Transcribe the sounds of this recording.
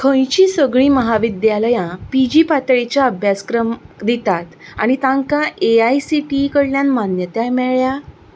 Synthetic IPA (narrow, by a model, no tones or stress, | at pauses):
kʰə̃jt͡ɕiːsəɡɭiːməɦaʋid̪jaləjãpid͡ʑiːpat̪ɭet͡ɕjaəbʱjaskɾəmd̪it̪at̪a̰ɽ̃it̪ãŋkãʔeajsiʈikəɽljãnmanjət̪jajmɛɭja